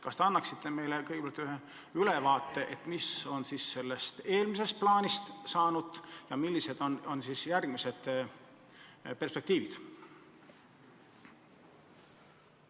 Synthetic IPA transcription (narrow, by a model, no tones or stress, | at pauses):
kɑst̪eɑnːɑksit̪ːe̞me̞jlekɤjɡepelt̪ːˑyɦe | ylevɑːt̪ˑːe̞ʔet̪miso̞nsisːe̞lːe̞st̪e̞ːlmis̬e̞st̪̚plɑːnist̪sɑːnud̪̥jɑmilʲːise̞d̪̥o̞no̞nsisjærɡ̥mise̞d̪̥ | pe̞rspe̞kt̪iːvid̪̥